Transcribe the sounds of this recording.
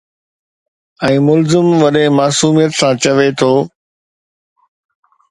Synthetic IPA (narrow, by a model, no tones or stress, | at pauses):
ɛ̃ːmʊlzɪmʋɐɗẽmaːsuːmijət̪sãt͡ɕɐʋet̪ʰoː